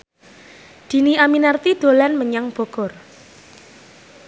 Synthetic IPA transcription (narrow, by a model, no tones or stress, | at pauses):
d̪̥i̤niaminart̪id̪̥o̤lanməɲaŋb̥ɔ̤ɡ̥ɔr